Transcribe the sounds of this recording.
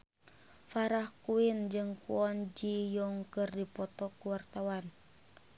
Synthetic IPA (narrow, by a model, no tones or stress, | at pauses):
faɾahkuind͡ʒɨŋkṵɔnd͡ʒijɔŋkɨrdipɔt̪ɔkuwart̪awan